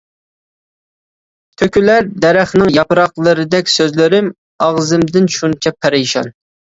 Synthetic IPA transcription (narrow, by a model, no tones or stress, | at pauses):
t̪ʰøkʲylæɾd̪ɛɾæχnɪŋjɑpɨɾɑqlˠəɾɨd̪ɛkʲsøzlɪɾɪm | ɑʁzɨmd̪ɪnʃunt͡ʃʰɛpʰɛɾɪʃɑ̰n